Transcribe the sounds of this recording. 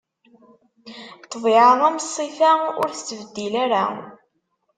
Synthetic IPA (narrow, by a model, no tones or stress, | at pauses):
t̪ːviʕəðˤæməsˤːifaʊ̰ɾθə̥t͡sːəvəd̪ːilæɾa̰